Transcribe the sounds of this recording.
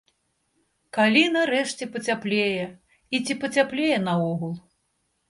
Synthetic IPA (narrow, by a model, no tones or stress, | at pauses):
kalʲinɐɾɛʂt͡sʲɛpɐt͡sʲaplʲejɛ | it͡sʲipɐt͡sʲaplʲejɛnɐɔɣulˠ